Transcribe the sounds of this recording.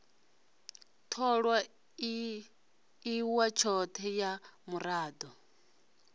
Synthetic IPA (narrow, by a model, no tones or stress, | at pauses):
t̪ʰɔɺwa | iwat͡ʃʰɔt̪ʰɛjamuɾaːd̪ɔ